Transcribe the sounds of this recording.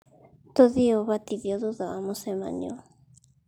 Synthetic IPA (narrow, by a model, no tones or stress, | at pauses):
t̪oðioβat̪iβjoðuðaamosema̰ɲo